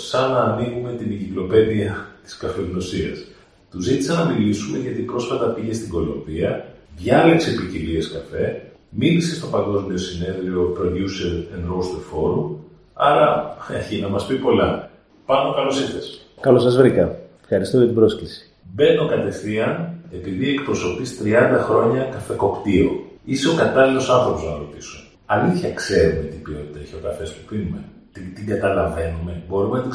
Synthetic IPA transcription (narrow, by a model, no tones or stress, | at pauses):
sɐnɐːniɣume̞t̪iniɟiklo̞pe̞ðiɐt̪i̥skɐfeɣno̞siɐ̰s | t̪uzit̪i̥sɐnɐmilisume̞ʝɐt̪ipɾo̞sfɐt̪ɐpiʝe̞st̪iŋɡo̞loɱviɐðʝɐleksepicilieskɐfe̞milise̞st̪o̞pɐŋɡo̞zmio̞sine̞ðɾio̞pɾo̞ðjuseɾenɾost̪ufo̞ɾum | ɐɾɐeçinɐmɐspipo̞lɐ | pɐno̞kɐlo̞siθes | kɐlosɐzvɾikɐe̥fxɐɾist̪oʝɐt̪ibɾoscesi̥ | be̞no̞kɐt̪e̞θiɐne̞piðiekpɾo̞so̞pist̪ɾiɐnd̪ɐxɾo̞ɲɐkɐfeko̞pt̪ioiseokɐt̪ɐlilo̞sɐnθɾo̞po̞znɐɾo̞t̪iso̥ | ɐliθçɐkse̞ɾumet̪ibio̞t̪i̥t̪ɐçoɣɐfest̪upinume | t̪it̪iŋɡɐt̪ɐlɐve̞nume̞bo̞ɾumenɐt̪i